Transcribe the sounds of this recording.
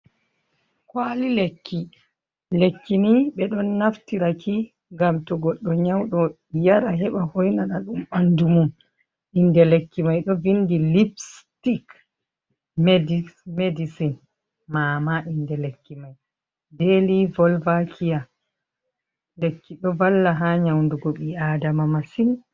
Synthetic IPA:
kwaːlilekːi | lekːiniɓɛɗɔnːaftiɾakʰi | ŋɡamtɔɡɔɗːɔɲawɗɔ | jaɾaɦɛɓahojnanaɗumɓandumum | ʔindɛlekːimajɗɔvindilibstik | mdmedisin | maːmaʔindɛlekːimaj | delivɔlvakʰija | lekːiɗɔvalːaɦaɲawnduɡɔɓiaːdamamasin

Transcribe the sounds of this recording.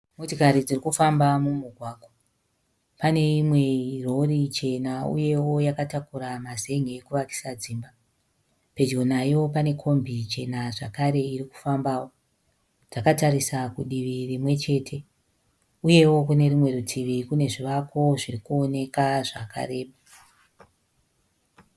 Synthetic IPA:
motikaɾid͡zirikufambamumuɡʱwaːɡʱwa | pane̞imwe̞ro̞rit͡ʃe̞naṵje̞wo̞jakatakuɾamaze̞ŋɡekuʋaki̥sad͡ziːmba | pe̞d͡ʒɡo̞najo̞pane̞kʰo̞mbʱit͡ʃe̞naʐakaɾe̞iɾiku̥fambaːwo̞ | d͡zakataɾisakuɗiʋirimwe̞t͡ʃe̞ːtʰe̞ | uje̞wo̞kune̞rimwe̞ɾutʰiʋikune̞ʐiʋakʰo̞ʐirikuo̞ne̞kaʐakʰa̰ɾe̞ːɓa

